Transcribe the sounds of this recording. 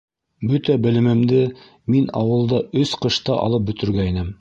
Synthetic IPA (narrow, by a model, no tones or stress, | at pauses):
bɵt̪æbɘ̆lɘ̆mɘ̆md̪ɘ | minɑ̰wɤ̆lˠd̪ɑɵsqɤ̆ʃt̪ɑʔɑ̰lˠɤp̚bɵ̆t̪ɵ̆ɾɡæinɘm